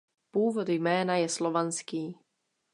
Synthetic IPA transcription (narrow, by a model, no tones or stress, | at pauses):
puːvod̪jmɛːnajɛslovanskiː